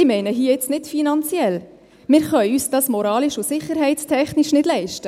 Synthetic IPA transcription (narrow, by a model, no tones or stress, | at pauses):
ɪmɛɪnəɦiːəɪt͡stnɪtfinɑnt͡sjɛl | mɪːɾχœʏysd̥ɑsmɔɾɑːliʃʊsɪχːəɾɦɛɪt͡stʰɛχniʃnɪd̥lɛɪʃtə